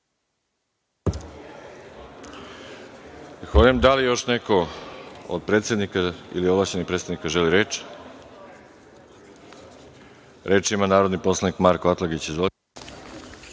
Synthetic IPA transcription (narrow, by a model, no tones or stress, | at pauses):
xod̪emd̪alijo̞ʃneko̞ | o̰d̪̚pɾet̪sjed̪nikaḭlioblaʃt͡ɕenixpɾet̪t̪aʋnikaʒeliɾeːt͡ʃ | ɾe̞ːt͡ʃimanaːɾo̞d̪nipo̞slˠanikmaɾkoat̪lˠaɡit͡ɕizvol